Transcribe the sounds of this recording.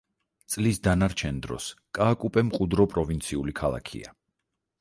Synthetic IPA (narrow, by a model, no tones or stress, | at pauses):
t̪sʼlisd̪anaɾt͡ʃʰɛnd̪ɾɔ̰skʼaːkʼupʼɛmqʼud̪ɾɔpʼɾɔvint̪sʰiulikʰalˠa̰kʰḭa